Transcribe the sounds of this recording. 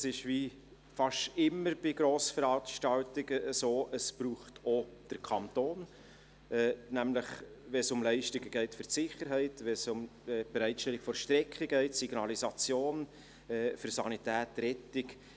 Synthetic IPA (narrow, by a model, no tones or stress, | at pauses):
sɪʃʋi | fɑʃɪmːəɾb̥ɪɡɾoːsfəɾɑːʃtɑwtɪɡəʔəsoːʔəspruːχtʰɔd̥əɾkʰɑntoːn | ɛːnæmləχʋɛnsʊmlɛɪʃtɪɡəɡɛɪtfʏrsɪχəɾɦɛɪtʋɛsʊmɛːb̥ɛɾɛɪtʃtɛlːɪɡ̥fɔɾʃtɾɛkχəɡɛɪtsiɡ̥nɑlisɑt͡sjoːn | ɛːfʏɾsɑnitæːtɾɛtɪk